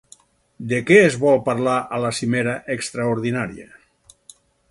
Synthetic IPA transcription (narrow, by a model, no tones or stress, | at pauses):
d̪ekɛːzβɔlˠpaɾlaʔalasimeɾaʔekst̪ɾaoɾðinaɾia̰